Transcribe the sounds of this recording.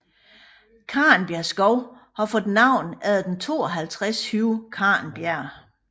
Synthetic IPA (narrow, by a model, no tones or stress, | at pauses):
kʰɑ̈ːnb̥jæɐsɡ̥ɒʊhɑfɒ̽d̥nɑ̈ʊ̰næð̩ˠd̥ent͡sʰo̝ːɒɦælt͡sʰʁast͡sʰyːʊkʰɑ̈ːnb̥jæɐ̰